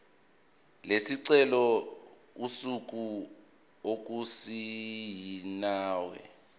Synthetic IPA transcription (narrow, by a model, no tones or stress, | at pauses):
lesiǀɛlɔ | usuk̬u | ok̬usijinaːwɛ̰